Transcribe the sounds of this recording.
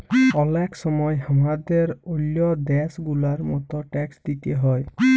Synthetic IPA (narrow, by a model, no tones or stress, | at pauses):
ɔlakʰsɔmɔjhamad̪eɾuljɔd̪ɛsɡulaɾmɔ̰t̪ɔʈɛksd̪it̪eɦɔj